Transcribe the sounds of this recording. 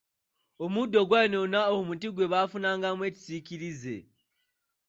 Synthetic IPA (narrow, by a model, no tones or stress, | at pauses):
omudːo̞ɡwajnonaoumutiɡwe̞βaːfunaːŋɡamwe̞ːci̥siciɾize̞̰